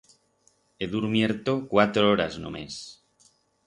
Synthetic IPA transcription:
eðuɾmjeɾt̪okwat̪ɾooɾazno̰mḛs

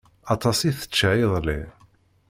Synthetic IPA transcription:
ɑt̪ˤɑsiθə̥t͡ʃːʕiðˤlḭ

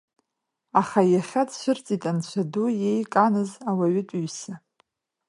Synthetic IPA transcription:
aχajaχʲadʃʷɨrt͡sʼitʼant͡ɕʷʰadujejkʼanɨzawaɥɪtʷʼuɥsa

